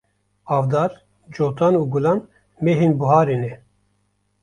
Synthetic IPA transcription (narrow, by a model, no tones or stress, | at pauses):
ɑːvd̪ɑːɾ | d͡ʒoːt̪aːnuːɡulaːn | meːɦeːnbuɦaːɾeːnɛ